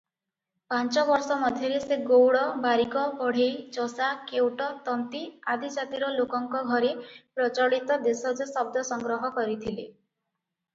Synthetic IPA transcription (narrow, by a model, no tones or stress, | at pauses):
pant͡ʃɔbɔɾsɔmɔd̪ʱjɔɾeseɡowɽɔbaɾikɔbɔɽ̤ejt͡ʃɔsakewʈɔt̪ɔnt̪iad̪id͡ʒat̪iɾɔlokɔŋkɔɡʱɔɾepɾɔt͡ʃɔɽit̪ɔd̪esɔd͡ʒɔsɔb̚d̪ɔsɔŋɡɾɔɦɔkɔɾit̪ʰile